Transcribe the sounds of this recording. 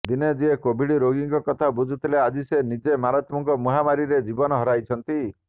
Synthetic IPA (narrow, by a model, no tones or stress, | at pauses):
d̪ined͡ʒiekobʱiɽiɾoɡiŋkɔkɔt̪ʰabud͡ʒʱut̪ʰilead͡ʒisenid͡ʒemaɾat̪muŋkɔmuɦamaɾiɾed͡ʒibɔnɔɦɔɾajt͡ʃʰɔnt̪i